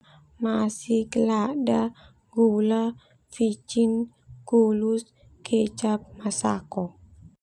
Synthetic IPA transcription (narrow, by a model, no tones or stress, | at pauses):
masihkəlada | ɡula | fit͡ʃin | ɡulus | ket͡ʃap̚masakɔ